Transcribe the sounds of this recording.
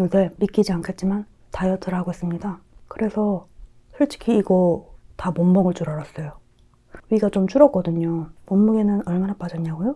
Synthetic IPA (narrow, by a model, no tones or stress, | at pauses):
ɯde̞mik͈id͡ʑiankʰe̞t̚t͡ɕ͈iman | tajʌt͈ʰɯɾaɡoes͈ɯmɲidakɯɾe̞sʰʌ | sʰʌɭt͡ɕ͈ʰi̥kʰiːɡʌtamombʌŋɯɭt͡ɕ͈uɾʌɾas͈ʌjo | ɥiɡat͡ɕomt͡ɕuɾʌk͈ʌdɯɲomʌmːuɡenɯnʌɭmanap͈ad͡ʑʌɲːaɡojo